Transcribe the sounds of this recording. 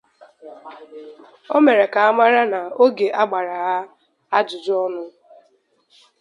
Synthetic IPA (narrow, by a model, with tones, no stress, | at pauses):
o˦me˨ɾe˨ka˨a˦ma˦ɾa˦na˨o˦ɡe˨ʔa˦ɡ͡ba˨ɾa˨ɣa˦ | a˦dʊ˨d͡ʒɔ˦nʊ˦